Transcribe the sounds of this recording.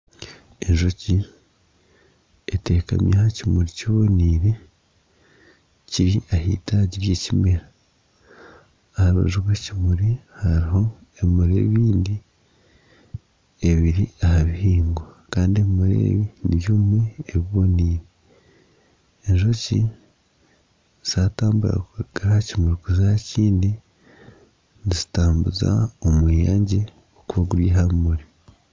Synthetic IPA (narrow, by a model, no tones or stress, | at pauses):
e̞ɲʒo̞ci | ete̞ːka̰mjʔehacimuɾiciβo̞niːɾe̞ | ciɾiahḭtaɟiɾjecimeɾa | haβo̰ʒukwecimuɾihaɾiho̞ | emuɾḛβiːndi | eβiɾiahaβihiːŋɡwakaːndieβimuɾḛβiniβjoːmwe̞ːβiβoniːɾe | eɲʒoci | z̥aːtaːmbuɾa̰kuɡahacimuɾikuzihaciːndi | nizi̥taːmbuza̰omwiːjaɲɟe | okuβaɡuɾiɦaβimuɾi